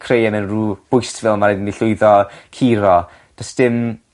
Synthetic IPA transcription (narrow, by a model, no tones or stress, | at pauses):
kʰrejɛmɪnruːb̥ʊjstʰvɪlˠmaɾedndiɬʊɨðɔkʰiːɾɔ | d̥əsd̥ɪm